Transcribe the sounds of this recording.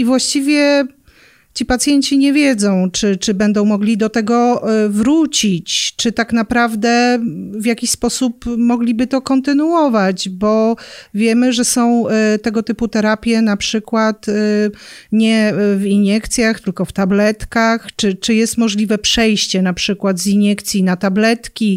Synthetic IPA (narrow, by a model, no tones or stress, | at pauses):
ivwaɕt͡ɕivʲjɛ | t͡ɕipat̪sʲjɛɲt͡ɕiɲɛvʲjɛd̪zɔ̃w̃t͡ʂɘt͡ʂɘbɛnd̪ɔ̃w̃mɔɡlʲid̪ɔt̪ɛɡɔvɾut͡ɕit͡ɕt͡ʂɘt̪aknapɾavd̪ɛvʲjakʲiɕspɔsupmɔɡlʲibɘt̪ɔkɔnt̪ɘnuɔvad͡ʑbɔvʲjɛmɘʐɛsɔ̃w̃t̪ɛɡɔt̪ɘput̪ɛɾapʲjɛnapʂɘkwat̪ | ɲɛviɲjɛkt̪sʲjaxt̪ɘlkɔft̪ablɛt̪kaxt͡ʂɘt͡ʂɘjɛst̪mɔʐlʲivɛpʂɛjɕt͡ɕɛnapʂɘkwad̪ziɲjɛkt̪sʲjinat̪ablɛt̪kʲi